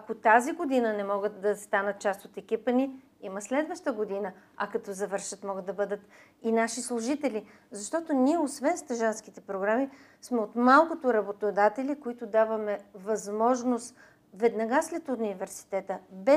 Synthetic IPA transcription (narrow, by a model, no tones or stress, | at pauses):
ɐkot̪aziɡod̪inənɛmɔɡət̪d̪ɐst̪anət̪̚t͡ʃast̪ot̪ɛkʲipəni | iməslɛd̪vəʃt̪əɡod̪inəɐkɐt̪ɔzɐvɤɾʃət̪mɔɡət̪d̪ːɐbɤd̪ət̪ | inaʃislˠʊʒit̪ɛlʲi | zɐʃt̪ɔt̪oniɛosvɛnst̪ɐʒansk̟it̪ɛpɾoɡɾami | smɛot̪malˠkʊt̪ʊɾɐbot̪od̪at̪ɛlʲikoit̪ʊd̪avəmɛvɐzmɔʒnost̪ | vɛd̪nɐɡaslɛt̪ʊnnivɛɾsi̥t̪ɛt̪əbɛ